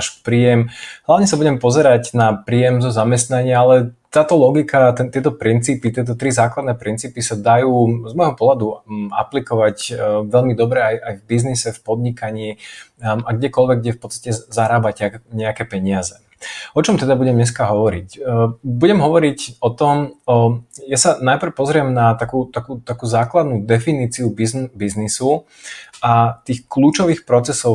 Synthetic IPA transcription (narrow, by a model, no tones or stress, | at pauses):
ʃpɾiːjɛmɦlaʊɲɛsabuɟɛmpɔzɛɾaɟnapɾijɛmzɔzamɛst̪naɲɪaalɛt̪aːt̪ɔlɔɡikʰat̪ɛt̪ɪɛt̪ɔpɾint͡siːpit̪ɪɛt̪̬ɔt̪ɾizaːklad̪nɛpɾint͡siːpisad̪ajuːzmɔjɦɔpʊɔɦlad̪ua̰plikɔʋacʋɛʎmid̪ɔbɾɛajajvbiznisɛfpɔd̪ɲikaɲi | aɡɟɛkɔlʋɛɡ̚ɛfpɔtt͡sst̪acɛzaɾaːbacɲɛakɛpɛɲɪazɛ | ɔt͡ʃɔmt̪ɛd̪abuɟɛmɲɛs̬kaɦɔʋɔɾicbuɟɛmɦɔʋɔɾicɔt̪ɔm | jasanajpɾ̩pɔzɾɪɛmnat̪akuːt̪akuːt̪akuːzaːklad̪nud̪ɛfiniːt͡siubizbiznisu | ʔat̪iːxkluːt͡ʃɔʋiːxpɾɔt͡sɛsɔʊ